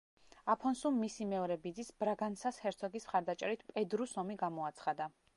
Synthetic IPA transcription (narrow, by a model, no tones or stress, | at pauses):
apʰɔnsumːisimɛɔɾɛbid̪zisbɾaɡansashɛɾt̪sʰɔɡismχaɾd̪at͡ʃʼɛɾit̪ʰpʼɛd̪ɾusɔmiɡamɔat̪sʰχad̪a